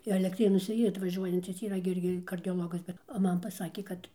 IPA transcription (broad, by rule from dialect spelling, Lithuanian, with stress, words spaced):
ɛlʲɛkˈtʲrʲeːnuɔsʲɛ ˈiːr ɐtʋɐˈʒʲuɔjɛnʲt͡sʲɪs iːˈrɐ ɡʲɪ ˈɪrʲɡʲɪ kɐrʲdʲoːˈlˠoːɡɐs ˈbʲɛt oː ˈmɐn pɐˈsɑːkʲeː ˈkɐt